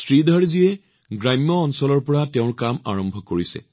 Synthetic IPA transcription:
sɹidʱaɹziɛ | ɡɹamijɔːnsɔlɔɹpɔɹatɛʊ̃ɹkama̰ɹɔmbʱɔkoɹisɛ̰

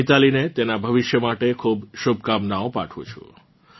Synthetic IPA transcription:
it̪alinet̪enabʱəʋɪʃjəmaʈekʰubʃub̚ʱkamnaõpa̰ʈʰṵ̃t͡ʃʰṵ̃

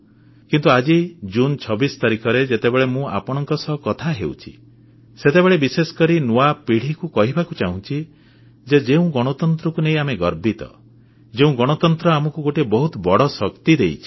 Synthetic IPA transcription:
kint̪uad͡ʒid͡ʒunt͡ʃʰɔbisɔ̥t̪aɾikʰɔɾed͡ʒet̪ebeɭemũa̰pɔɽ̃ɔŋkɔsɔɦkɔt̪ʰaɦḛw̰t͡ʃʰi̥̰ | set̪ebeɭebisesɔ̥kɔɾinuapiɽ̤ikukɔɦibakut͡ʃaɦũt͡ʃʰi | d͡ʒed͡ʒeũɡɔɽ̃ɔt̪ɔnt̪ɾɔkuneĩameɡɔɾbit̪ɔ̰ | d͡ʒeũɡɔɽ̃ɔt̪ɔnt̪ɾɔamɔkuɡoʈebɔɦut̪ɔbɔɽɔsɔkt̪id̪ḛjt͡ʃʰi̥

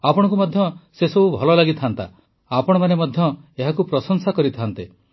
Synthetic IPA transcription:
apɔɽ̃ɔ̃ŋk̬umɔd̪ʱjɔsesɔbubʱɔlɔlaɡit̪ʰant̪a̰ | apɔɽ̃ɔmanemɔd̪ʱjɔeɦakupɾɔsɔŋsakɔɾit̪ʰaant̪e

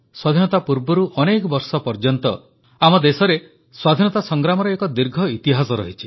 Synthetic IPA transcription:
swad̪ʱinɔt̪apuɾbɔɾuʔɔnekɔbɔɾsɔpɔɾd͡ʒɔnt̪ɔ | amɔd̪esɔɾe | swad̪ʱinɔt̪asɔŋɡɾamɔɾɔekɔd̪iɾɡʱɔit̪iɦasɔɾɔ̰ɦit͡ʃʰi̥

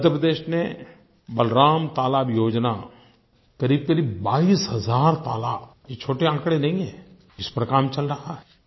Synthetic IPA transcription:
d̪ʱəɾpɾəd̪eːʃne | bɐlɾaːmt̪aːlaːbjoːd͡ʒna | kɐɾiːb̚kɐɾiːbbaːiːsɦɐzaːɾt̪a̰ːlajet͡ʃʰoːʈeãːkɽenɐɦĩɦɛː | ɪspɾkaːmt͡ʃɐlɾɐɦaɦɛː

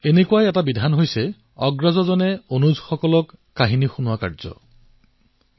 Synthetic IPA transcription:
enekuajɛtabid̪ʱanɦojse | ɔɡɹazɔzɔnɛonuzxɔkɔlɔkːaɦinixunuwaka̰ɹzɔ̰

